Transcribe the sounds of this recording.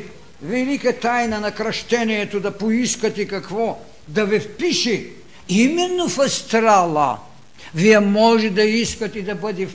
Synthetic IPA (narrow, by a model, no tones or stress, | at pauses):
vɛlikɐt̪ajnɐnɐkɾɐʃt̪ɛniɛt̪od̪ɐpoiskɐt̪ikɐkvɔ | d̪ɐvɛfpiʃi | imɛnːofɐst̪ɾalˠɐ̰ | viɛmɔʒɛd̪ɐiskɐt̪id̪ɐbəd̪ɛ